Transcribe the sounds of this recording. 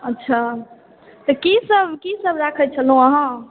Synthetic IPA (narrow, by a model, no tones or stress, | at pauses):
ətːʃʰa | t̪ɔkisəbkisəbɾakʰɛt͡ʃʰəlɦũəɦã